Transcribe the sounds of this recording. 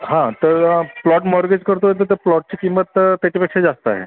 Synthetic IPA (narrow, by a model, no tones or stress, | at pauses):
ɦãt̪əɾplɔʈmɔɾɡed͡ʑkəɾt̪oɦːjt̪̬əɾt̪əɾplɔʈ̚t͡ɕikimːət̪t̪ːat͡ɕʰipekʂed͡zast̪aɦḛ